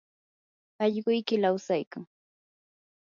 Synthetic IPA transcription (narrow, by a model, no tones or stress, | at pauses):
ɑʎɢʊjkɪlawsajkaŋ